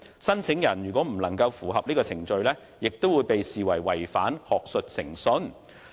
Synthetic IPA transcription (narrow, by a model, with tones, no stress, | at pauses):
sɐ˥nt͡sʰɪ˨˥ŋjɐ˨˩njyː˨kɔː˨˥m̩˨˩lɐ˨˩ŋkɐ˧wfuː˨˩ɦɐ˨p̚niː˥kɔː˧t͡sʰɪ˨˩ŋt͡ʃɵ˧ɥlɛː˥ | jɪ˨k̚t̪o˥wuː˨˧jpe˨jsiː˨wɐ˨˩jwɐ˨˩jfa̰ː˨˥nhɔː˨k̚sɵ˨t̚sɪ˨˩ŋsɵ˨˥n